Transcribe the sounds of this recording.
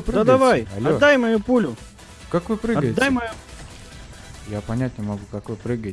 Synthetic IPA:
pɾɨadɡ̪ɐvajɐlʲɐdoːajmɐjupulʲʊ | kakvɨpɾɨɡɐɡəjɪt̪d̪ajmɐju | japɐnʲæt̚ʲnʲɪmɐɡukɐkvɨpɾɨɡəɪt

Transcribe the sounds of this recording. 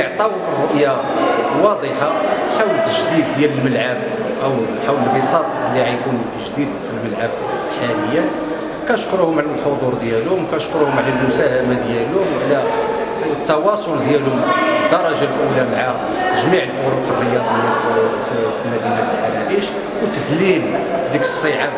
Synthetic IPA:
əʕt̪ˤɑwərˤːʊʔja | wɑd̪ˤəħaħawlət̪ːəʒd̪id̪̚ːjæləlməlʕab̚ | ʔəw | ħawləəsˤɑt̪ˤlːiʕæjkun | ʒd̪id̪filməlʕab | ħaləjːæ | kænʃkɾuhʊmʕlælħod̪ˤuɾd̪jælʊʊmkæʃkɾuhʊmʕlælmʊsæhamad̪jælʊmʕlæ | t̪ːɑwɑsˤold̪jælhʊməd̪ːɑɾˤɑʒalʔulæmʕa | t̪əʒmiʕəlfʊɾufərːəjɑd̪ˤ | fəlmæd̪inæəlħalæʔiʃ | wt̪əd̪lild̪ikə̥sˤːəʕa

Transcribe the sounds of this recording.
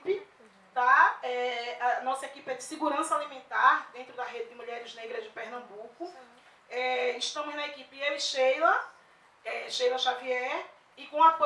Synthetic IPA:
pɪ | t̪aɛɐnɔsɐekipɪɛd͡ʒ̪ɪsɪɡuɾɐ̃sɐalimẽnt̪aɾd̪ẽnt̪ɾʊd̪ɐɦed̪ɪd̪ɪmuʎɛɾɪzneɡɾɐzd͡ʒɪpehnɐ̃bukʊ | ɛɪʃt̪ɐ̃mʊznɐekipɪeɪʃejlɐ | ɛʃejlɐʃaviɛɾ | ɪkõɐko

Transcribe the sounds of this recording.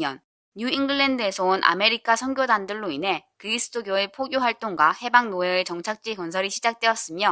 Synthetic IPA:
jʌn | juiŋɡɯɭːendɯe̞sʰʌonʔa̰me̞ɾikʰasʰʌnɡjodandɯɭːoinɦe̞kɯɾisʰɯ̥tʰoɡjoepʰoɡjoɸwaɭt͈oŋɡwahe̞baŋnoeɯt͡ɕʌŋt͡ɕʰak̚t͡ɕ͈ikʌnsʰʌɾiɕʰid͡ʑak̚t͈we̞ʌs͈ɯmjʌ

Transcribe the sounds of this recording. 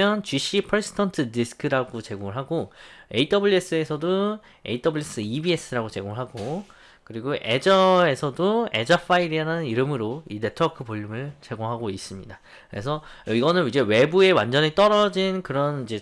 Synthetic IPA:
jʌnt͡ɕɥiɕ͈ʰipʰʌɾisʰtʰʌntʰɯdisʰkʰɯɾaɡot͡ɕe̞ɡoŋɯɭɦaɡoe̞itʰʌbɯɭːies͈ɯe̞sʰʌdo | e̞̰itʰʌbuɭːes͈ɯibie̞s͈ʰɯɾaɡot͡ɕe̞ɡoŋɯɭɦaɡo | kɯɾiɡoʔe̞̰d͡ʑʌe̞sʰʌdoe̞̰d͡ʑafʰaiɾiananɯniɾɯmɯɾoine̞tʰʌkʰɯpoʎːumɯɭt͡ɕe̞ɡoŋɦaɡois͈ɯmɲida | kɯɾe̞sʰʌiɡʌnɯnid͡ʑe̞we̞bue̞wand͡ʑʌɲit͈ʌɾʌd͡ʑinkɯɾʌnid͡ʑe̞

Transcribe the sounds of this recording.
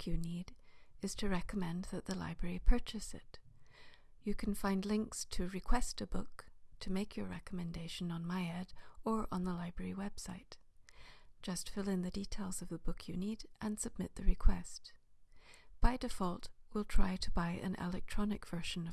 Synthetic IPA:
kʰjɨniɾɨz̥tʰɨɹɛkəmɛ̃nðɨt̪̚ðəla̰ɪbɹɛɹipʰɜ˞t͡ʃɨsɪ̰t̚ | jɨkʰn̩fãɪ̃ndˡlɪ̃ŋkstʰɨɹɨkʰw̥ɛstɨbʊk̚tʰɨmeɪkʰjə˞ɹɛ̰kəmɨ̃ndeɪʃɨ̃nə̃nmaɪɛɾə˞ʔə̃nðəlaɪbɹɛɹiwɛb̥saɪt | d̥ʒ̥ʌstfɪlˠɨ̃nðɨditʰeɪlˠzʌvðɨbʊkʰjɨniɾʔɨ̃nsɨb̥̚mɪt̪̚ðɨɹɨkʰw̥ɛst | b̥aɪdɨfɔlˠt̚wilˠtʰɹ̥aɪɾəbaɪʔɨ̰̃nʔɪ̰lˠɛk̚tʰɹ̥ɑnɨkv̥ɜ˞ʃɨ̃nʌ

